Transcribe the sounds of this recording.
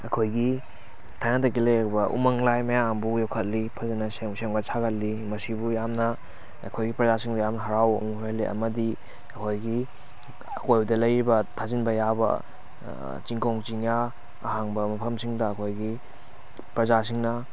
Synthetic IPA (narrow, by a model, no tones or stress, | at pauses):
ɐkʰojɡi | tʰajnatɐɡileɾbɐʔṵmɐŋlajmɐjambujokʰɐt̚lipʰɐzinɐseŋseŋbasʰaɡɐt̚limɐsibujamnɐ̰ː | kʰojɡipɾɐzasiŋdɐjamnɐɦɐɾawmuhojliʔɐ̰mɐdi | ɐkʰojɡi | ɐkʰojbudɐlɐjɾibɐtʰazinbɐjabɐ̰ | t͡ʃiŋkoŋt͡ʃiŋja̰ː | ɦaŋbɐmɐpʰɐmsiŋdɐːkʰojɡi | pɾɐzas̬iŋnɐ